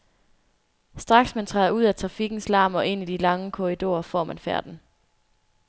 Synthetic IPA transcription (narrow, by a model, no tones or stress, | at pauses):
sd̥ʁɑ̈ɡ̥smænt͡sʰʁɑ̰ðˠɐuð̰ˠæt͡sʰʁɑ̈fiɡ̥n̩slɑ̈ːmɒ̽ʔe̝n̰id̥ilɑ̈ŋəkʰo̝ʁid̥o̝ːɐfɒ̰ːmænfæɐd̥n̩